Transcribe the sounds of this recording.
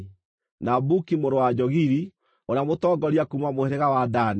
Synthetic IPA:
nabukimoɾowad͡ʒɔɣiɾi | onamotɔːɡɔɾiakumamoeɾeɣawadan

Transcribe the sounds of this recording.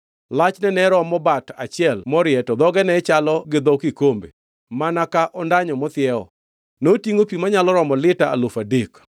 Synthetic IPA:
lat͡ʃnɛnɛɾɔmɔbata̰t͡ʃɪɛlmɔɾjɛtɔd̪ɔɡɛnɛt͡ʃalɔɡɪd̪ɔkɪkombḛ | manakaʔɔndaɲɔmɔt̪ɪɛɔ̰ | notiŋopimaɲalɔɾɔmɔlɪtaa̰lofadek

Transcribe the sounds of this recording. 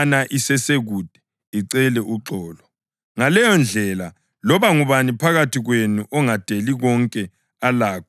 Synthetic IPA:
naʔisɛseɣud̥ʱɛ̥ | iǀɛlɛʔuǁɔːlɔ | ŋalɛjɔnd͡ɮʱɛla | lɔβaŋuβanipʰaɣatʰiɣwenuʔɔŋad̥ʱeliɣɔŋkʼɛ | alaːkʰɔ

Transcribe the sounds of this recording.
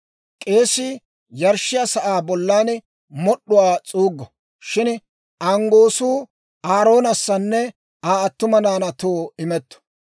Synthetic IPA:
kʼe̞ːsɪ | jɐɾʃːɪjasɐʔaːbɔlːaːn | mɔɗːʊwaːt͡sʼuːɡːɔ | ʃɪn | ʔɐŋɡo̞ːsuː | aːɾo̞ːnɐsːɐnːɛ | aːɐt̪ːʊmɐnaːnɐt̪oːɪmɛt̪ːɔ̥

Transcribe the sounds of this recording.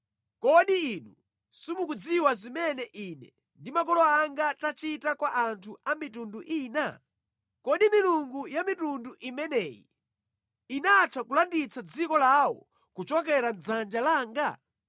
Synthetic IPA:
kɔɗiiɗu | sumukud͡ziwazimɛnɛʔinɛ̰ | ndimakɔlɔaŋɡatat͡ʃitakwaʔantʰuʔamitunduʔiːna | kɔɗimiluŋɡujamitunduʔimɛnɛːjḭ | inatʰakulandit͡sʰad͡zikɔlawɔ̰ | kut͡ʃɔkɛɾand͡zand͡ʒalaːŋɡa

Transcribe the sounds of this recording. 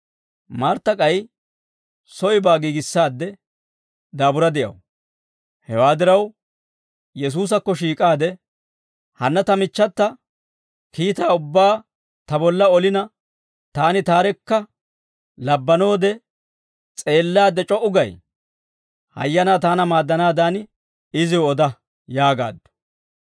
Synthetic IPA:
maɾt̪ːɐkʼɐj | sɔjɪbaːɡiːɡɪsːaːd̪ːɛ | d̪aːbʊɾɐd̪ɪʔɐ̰w | hɛwaːd̪ɪɾɐw | jɛs̬uːs̬ɐkːɔʃiːkʼaːd̪ɛ | hɐnːɐt̪ɐmɪt͡ʃːɐt̪ːɐ | kiːt̪aːʊbːaː | t̪ɐbɔlːɐɔlɪnɐ | t̪aːnɪt̪aːɾɛkːɐ | lɐbːɐnoːd̪ɛ | t͡sʼe̞ːlːaːd̪ɛt͡ʃʼɔʔʊɡɐj | hɐ̰jːɐnaːt̪aːnɐmaːd̪ːɐnaːd̪aːn | ɪzɪwɔd̪ɐ | jaːɡa̰ːd̪ːʊ̥

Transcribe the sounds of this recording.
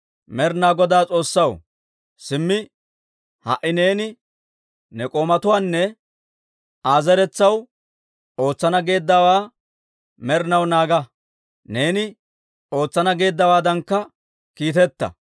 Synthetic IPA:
mɛɾnaːɡɔd̪aːt͡sʼo̞ːsːɐw | sɪmːɪ | hɐ̰ʔɪne̞ːnɪ | nɛkʼoːmɐt̪ʊwaːnːɛ | aːzɛɾɛt͡sːɐw | o̞ːt͡sːɐnɐɡe̞ːd̪ːawaː | mɛɾnɐwnaːɡɐ | ne̞ːnɪ | o̞ːt͡sːɐnɐɡe̞ːd̪ːɐwaːd̪ɐŋkːɐ | kiːt̪ɛt̪ːɐ̰

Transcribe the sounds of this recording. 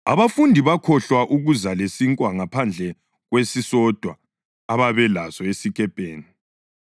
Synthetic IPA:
a̰βafundʱiβakʰɔɬwaʔuɣuzalesiŋkʼwaŋapʰand͡ɮʱɛ | ɣwesisɔd̥ʱwaː | βaβɛlazɔesiɣʼɛpʼeːni

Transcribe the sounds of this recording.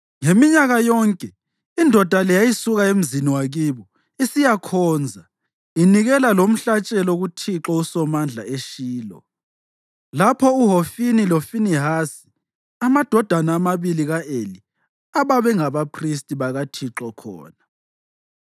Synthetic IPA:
ŋemiɲaɣajɔŋkʼɛ | indʱɔd̥ʱalɛjajisuɣaem̩ziniwaɣiβɔ | isijakʰɔːnd͡zʱa | iniɣɛlalom̩ɬat͡ʃʼɛlɔɣutʰiǁɔusɔmand͡ɮʱaeʃiːlɔ̰ | lapʰɔuɦofinilofiniɦasi̥ | amad̥ʱɔd̥ʱanaːmaβiliɣaʔeli | aβaβɛŋaβapʰristʼiβaɣatʰiǁɔkʰɔ̰ːna

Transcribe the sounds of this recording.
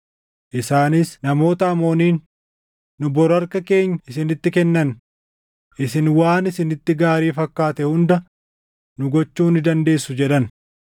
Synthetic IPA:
ʔɪsaːnɪsnɐmo̞ːt̪ɐɐmo̞ːniːnː | ʊbɔɾɐɾkɐke̞ːɲːɪsɪnɪt̪ːɪkɛnːɐn | ʔɪsɪnwaːnɪsɪnɪt̪ːɪɡaːɾiːfɐkːaːt̪ɛhʊnd̪ɐ | nʊɡɔt͡ʃːuːnɪd̪ɐnd̪e̞ːsːʊd͡ʒɛᶑɐn

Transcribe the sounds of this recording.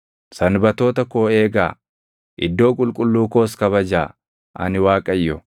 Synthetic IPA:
sɐnbɐt̪o̞ːt̪ɐkoːe̞ːɡa̰ː | ʔɪd̪ːo̞ːkʼʊlkʼʊlːuːko̞ːskɐβɐd͡ʒaː | ʔɐ̰nɪwaːkʼɐjːɔ

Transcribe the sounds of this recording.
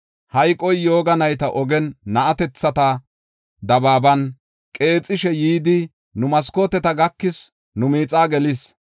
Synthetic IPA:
hɐjkʼːɔjjo̞ːɡɐnɐjt̪ɐʔɔɡɛnːɐʔɐt̪ɛt͡sːɐt̪ɐ | d̪ɐbaːbɐn | kʼe̞ːt͡sʼːɪʃɛjiːd̪ɪ | nʊmɐskoːt̪ɛt̪ɐɡɐkːɪs | nʊmiːt͡sʼaːɡɛlɪs

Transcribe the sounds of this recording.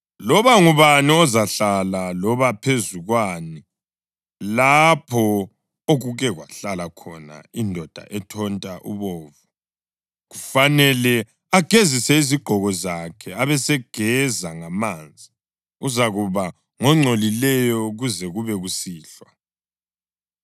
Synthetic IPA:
lɔβaŋuβaniɔzaɬalalɔβapʰezuɣwani | lapʰɔ | oɣuɣɛɣwaɬalakʰɔna̰indʱɔd̥ʱa̰ʔɛtʰɔntʼaʔṵβɔːvu | ɣufanɛlɛ | aɡ̥ʱezisɛiziɡ͡ǃʱɔɣɔzakʰɛaβɛsɛɡ̥ʱɛzaŋamaːnd͡zʱi | uzaɣuβa | ŋɔŋ͡ǀʱolilɛjɔɣuzɛɣuβɛɣusiːɬwa

